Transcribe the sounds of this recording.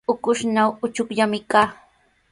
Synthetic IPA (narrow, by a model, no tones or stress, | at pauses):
ʊkʊʃnawʊt͡ʃʊkʎamɪkaː